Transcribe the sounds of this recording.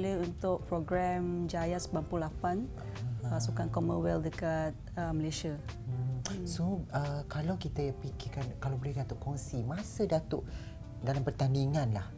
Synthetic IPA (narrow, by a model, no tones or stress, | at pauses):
leunt̪ʊʔ̚pɾoɡɾɛmd͡ʒajasbampulafan | sukankoməwɛldəkat̪̚əməleʃa | soəkalawkit̪aapikɪkankalawbolɛhdat̪ʊʔkɔŋsimasədat̪ʊʔ | dalampərt̪aniŋãnlah